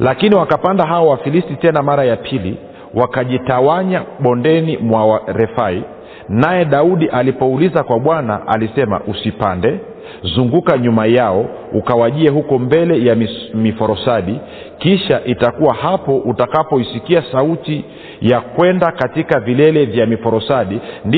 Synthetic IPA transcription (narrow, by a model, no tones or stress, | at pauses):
lakiniwakapandaɦaɔwafilistitɛnamaɾajapʰili | wakaʄitawaɲaɓɔndɛnimwawaɾɛfai | najɛɗauɗiʔalipɔulizakwaɓwana̰ʔa̰lisɛma̰ʔusipandɛ | zuŋɡukaɲumajaɔ | ukawaʄiɛɦukɔmbɛlɛjamifɔɾɔsaɗi | kiʃaʔitakuwahapɔʔutakapɔisikiasauti | jakwɛndakatikavilɛlɛvjamifɔɾɔsaɗind